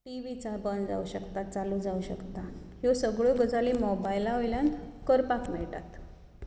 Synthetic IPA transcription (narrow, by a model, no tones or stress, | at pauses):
ʈiʋit͡sabənd͡za̰uɕəkt̪at̪t͡salud͡zauɕəkt̪ajosəɡɭoɡəd͡zaliːmɔbajlaɦojljankəɾpakmɛɭʈa̰t̪